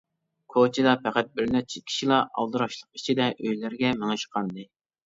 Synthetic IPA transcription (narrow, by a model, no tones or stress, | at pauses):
kʰot͡ʃʰid̪ɑpʰæqæt̪̚bɪɾnɛt͡ʃʰɪkʲʰi̥ʃilˠɑʔɑ̰lˠd̪ɨɾɑʃlˠəq̚it͡ʃʰid̪ɛʔøjlæɾɡʲɛmeŋɨʃqʰɑnd̪ɨ